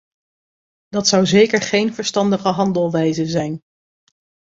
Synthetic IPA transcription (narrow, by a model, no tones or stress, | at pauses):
d̥ɑtsʌwzejkəɹχejnvəɹstɑndəχəɦɑndəlˠʋɛjzəzɛjn